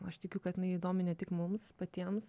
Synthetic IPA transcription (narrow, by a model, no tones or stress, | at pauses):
ɐʃt̪ʲɪkʲʊkɐt̪tʲɪnɐɪid̪oːmʲɪnʲɛt̪ʲɪkmʊmspɐt̪ʲiɛms